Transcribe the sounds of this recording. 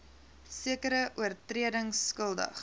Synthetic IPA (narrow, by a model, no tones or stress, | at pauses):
siəkəɾəʔuərtriədəŋskəlˠdə̰χ